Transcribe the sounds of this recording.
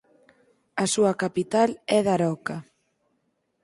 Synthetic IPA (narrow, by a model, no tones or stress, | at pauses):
asuɐkapit̪alɛðaɾɔka